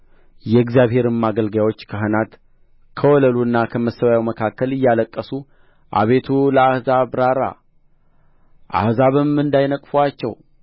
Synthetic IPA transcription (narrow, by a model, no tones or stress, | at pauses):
jɛɡzijaβhe̞ɾɨmːaɡəlɡajwo̞t͡ʃːkʰəɦənat̪ | kʰəwɔləluɨnːakʰəməsːəwajawməkʰakːəlɨjːaləkʼːəsu | ʔa̰βe̞t̪ʰuləahzabɾaɾa̰ | ʔa̰hzaβɨmɨnd̪ajnəkʼfuat͡ʃːɛ̰w